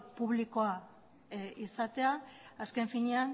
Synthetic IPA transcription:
puβ̞liko̞a | isat̪e̞aːske̞ɱfiɲean

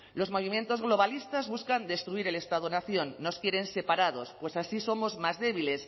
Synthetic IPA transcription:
lo̞zmo̞β̞imjẽ̞nt̪o̞zɣlo̞βalist̪azβuskand̪e̞st̪ɾuiɾe̞le̞st̪aðonaθjo̞nːoskjeɾe̞nse̞paɾaðo̞spwe̞sasiso̞mo̞zmazðe̞β̞ile̞s

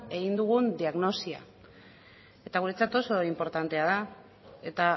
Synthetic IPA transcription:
e̞ɣ̞ind̪uɣ̞und̪iaɣno̞sia̰ | e̞t̪aɣuɾe̞t͡sat̪o̞so̞impo̞ɾt̪ant̪e̞að̞a | e̞t̪a

